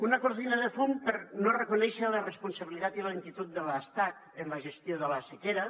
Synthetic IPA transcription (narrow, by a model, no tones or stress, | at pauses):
unəkuɾðinəðəfumpəɾnorəkunɛʃələrəspunsəβilit̪at̪iləiŋt̪it̪ut̪̚d̪ələst̪ak | ənləʒəst̪joðələsekeɾə